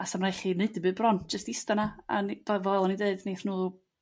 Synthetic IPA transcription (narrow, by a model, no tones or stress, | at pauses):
asamrajχinɨdɨbɨːbrɔnt̚ʰd͡ʒ̥əstɪstanaa̰niv̥ɔvɔɛlˠɔnideɨdneːθnuː